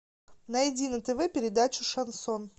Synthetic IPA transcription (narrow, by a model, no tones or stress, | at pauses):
nɐɪdʲinət̪ɛvɛpʲɪɾʲɪd̪at͡ɕʊʂɐnson